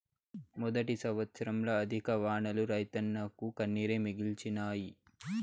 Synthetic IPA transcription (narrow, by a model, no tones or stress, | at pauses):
mud̪ɐʈisɐʋɐt̪sɐɾɐmlɐːd̪ʱikɐʋaːɳɐluɾɐjt̪ɐnːɐkukɐnːiɾemiɡilt͡ʃinaːji